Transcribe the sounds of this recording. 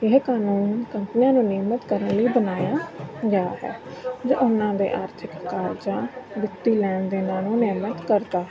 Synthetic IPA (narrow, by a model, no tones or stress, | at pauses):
ɪɦkaːnuːnkəmpənijãːnũːnɪmət̪kəɾənləiːbənaːjaːɡeaːɦɛ̰ːd͡ʒo̰ːʔʊnãːd̪ḛːʔaːɾt̪ʰɪkːaːɾd͡ʒãːbɪt̪ːiːlɛːnd̪eːnaːnũːnɪmət̪kəɾt̪aːɦɛ